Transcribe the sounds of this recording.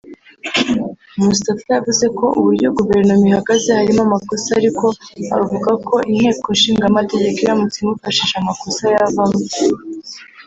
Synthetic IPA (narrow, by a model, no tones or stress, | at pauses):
musi̥tafjavuze̞kʰo̞ʔuβuɾɟo̞ɡuve̞ɾnomihaɡaze̞haɾimamako̞saːɾiko̞a̰ɾuvuɡakʰo̞ʔin̥he̞ːko̞nʃiːŋɡamate̞ɟe̞koɾamut͡simufaʃiʃamako̞sajaβame